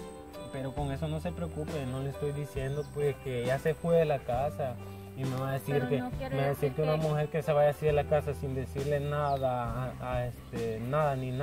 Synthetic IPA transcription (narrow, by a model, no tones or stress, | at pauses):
pe̞ɾoko̞ŋe̞so̞no̞se̞pɾeokupeno̞leːst̪o̞jd̪isje̞nd̪o̞pweske̞ʝase̞fweðelakasa | imeβaðesiɾkemeβaðesiɾkeunamuxe̞ɾkeseβaʝasiɾðelakasasind̪e̞siɾle̞naðaest̪enaðanĩn